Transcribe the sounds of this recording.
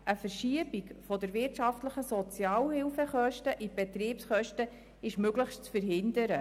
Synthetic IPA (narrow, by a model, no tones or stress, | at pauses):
ʔəfəɾʃiəbikfɔdəɾvɪɾtʃɑftləχəsɔt͡sjɑːlhɪlfəχœʃtəʔib̥ɛt̪ɾiːpsχœʃtə | ɪʃmøɡləχʃtt͡sfəɾɦɪndəɾə